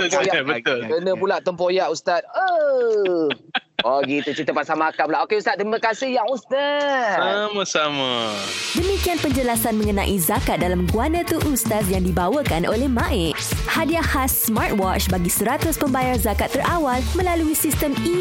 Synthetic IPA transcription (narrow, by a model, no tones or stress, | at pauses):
jaabək̪ʊlkənə̃pulaʔt̪əmpojaʔust̪at̪̚ə | ɔɡit̪ut͡ʃit̪əpaʔsamakapulaʔokeust̪at̪̚t̪ːɾimakasɪhjaʔust̪asamãsamadəmikianpəɲd͡ʒəlasanmə̃ŋənã̰ʔizakat̪̚dalamɡuanə̃t̪uʔust̪as̬jaŋdibawəkanʔo̰lɛhmãʔɪkhadiahasmart̪̚wɔt͡ʃbaɡisəɾat̪ʊspəmbajarzakat̪ːəɾʔawalmə̃laluisist̪əmi